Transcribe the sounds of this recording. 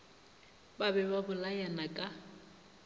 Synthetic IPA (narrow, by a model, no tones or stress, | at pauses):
babɛbabʊlajanakʼa